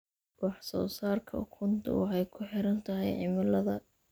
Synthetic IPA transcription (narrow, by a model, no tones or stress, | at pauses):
wɑħsɔ̰ːsaːrkʰɐ̰kʰʊnt̪ʰʊ̰wɑħɛjkʰʊħɪɾɐnt̪ʰɐɦɛjʕɪmɐlɐðɐ